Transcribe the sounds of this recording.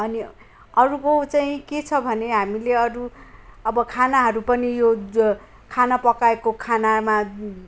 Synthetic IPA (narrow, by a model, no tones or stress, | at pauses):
ʌni | ʌɾukot͡saĩket͡sʰʌbʱʌneɦamileʌɾuʌbʌkʰanaɦʌɾupʌnijo | kʰanapʌkaekokʰanama